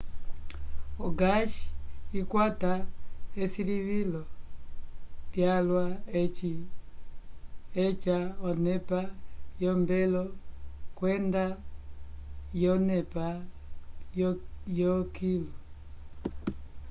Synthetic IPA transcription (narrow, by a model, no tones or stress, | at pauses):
ɔɡaʃi̥ikwataɛsiliβilɔ | ljalwa | ɛt͡ʃaɔnɛpajɔmbɛlɔkwɛnda | jɔnɛpa | jɔkilɔ